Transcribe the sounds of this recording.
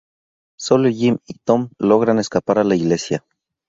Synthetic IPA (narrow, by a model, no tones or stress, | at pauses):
solojimit̪omloɣɾaneskapaɾalaiɣlesja